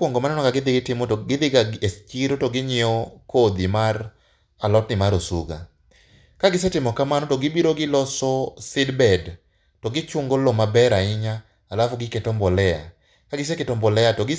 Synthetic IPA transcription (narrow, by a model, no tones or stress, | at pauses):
woŋɡomanɛnɔkaɡɪd̪ɪɡɪtɪmoɡɪd̪ɪɡaest͡ʃiɾotoɡɪɲɪɔkod̪imar | alɔtnɪmaɾosṵɡa̰ | kaɡɪs̬ɛtɪmɔkamanɔtoɡɪbiɾoɡɪlɔsɔsɪdbɛd | toɡɪt͡ʃʊŋɡolɔmabɛɾaɪɲaː | lafɔɡɪketɔmbɔlɛa̰ | kaɡɪs̬ɛketɔmbɔlɛatɔɡɪ